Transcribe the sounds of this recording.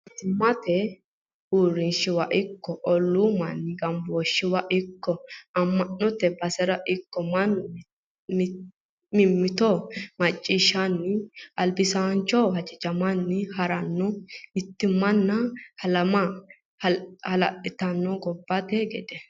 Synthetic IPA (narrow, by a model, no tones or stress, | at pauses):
ɪt̪ːɪmːɐt̪ɛ | uːrɪnʃɪwɐʔɪkːɔʔɔlːumɐnːɪɡɐmbɔʃːɪwɐʔɪkːɔɐmːɐnːɔt̪ɛbɐsɛɾɐʔɪkːɔmɐnː | mɪmːɪt̪ɔmɐt͡ʃʼːiːʃːanːɪɐlbɪsant͡ʃːɔhɐt͡ʃʼɪd͡ʒɐmɐnːɪhɐɾɐnːɔmɪt̪ːɪmːɐnːɐhɐlɐmɐ | hɐhɐlɐʔɪt̪ɐnːɔɡɔbːɐt̪ɛɡɛd̪ɛ